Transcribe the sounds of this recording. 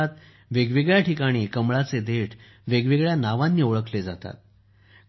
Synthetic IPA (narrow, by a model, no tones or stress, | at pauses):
at̪ | ʋeɡʋiɡɭjaʈikaɽ̃iːkəmɭat͡sed̪eʈʰ | ʋeɡʋiɡɭjanaʋanːiːoɭəkled͡zat̪a̰t̪̚